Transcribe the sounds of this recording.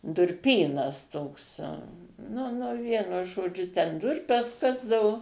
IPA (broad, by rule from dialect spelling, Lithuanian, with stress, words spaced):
dʊrʲˈpʲiːnɐs ˈtoːks ˈnʊ ˈnʊ ˈʋʲiɛnʊ ʒoːˈd͡ʒʲʊ tʲɛn ˈdʊrʲpʲɛs ˈkɑːzdɐʋʊ